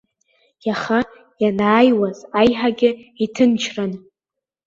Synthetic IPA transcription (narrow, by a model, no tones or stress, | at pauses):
jaχa | janaːjwazajħaɡʲɪitʰɨnt͡ʃʰran